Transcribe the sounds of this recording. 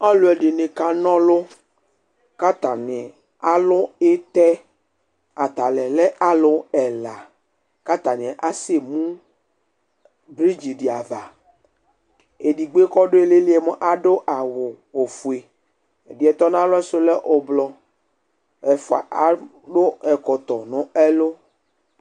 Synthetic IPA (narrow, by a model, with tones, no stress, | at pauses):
a˦lo˦ɛ˨ɖe˨nẽ˨ka˦nɔ̃˦lo˦ | ka˦t̪ã˨nɪ̃˨ | a˦lʊ˦e˦t̪ɛ˦ | a˨t̪a˨lɛ˨lɛ˦ʔa˦lʊ˦ɛ˨la˨ | ka˦t̪a˨nẽ˨ʔa˦se˦mũ˦ | bɾi˦d͡ʒi˨ɖi˨a˨va˨ | e˨ɖi˨ɡ͡be˦kɔ˦ɖo˦e˦˨le˦li˦e˨me˦ʔa˨ɖo˦ʔa˨wo˨wo˨fu˨e˨ | e˨di˨ɛ˨t̪ɔ˦nã˦lɔ˦e˦so˦le˦ʔo˨blɔ˦ | ɛ˨fo˨a̰˨ʔa˨ | ɖo˦ɛ˨kɔ˨t̪ɔ˨nɔ̃˨ɛ˦lo˦